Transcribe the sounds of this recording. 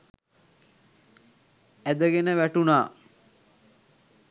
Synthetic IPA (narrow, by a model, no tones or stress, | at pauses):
æd̪əɡenəʋæʈunaː